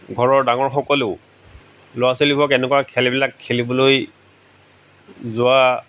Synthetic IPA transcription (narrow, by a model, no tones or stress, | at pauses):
ɡʱɔɹɔɹdaŋɔɹxɔkɔlʊʊ | lʊwasolibɔkɛnɛkwakʰɛlibilakʰːelibɔloj | zʊwa